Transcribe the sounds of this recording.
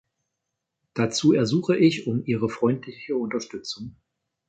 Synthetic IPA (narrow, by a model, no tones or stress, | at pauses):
d̥at͡suːɛɐzuːχəʔɪçʊmʔiːʁ̞əfʁ̥ɔʏntʰlɪçəʊntɐʃtʏt͡sʊŋ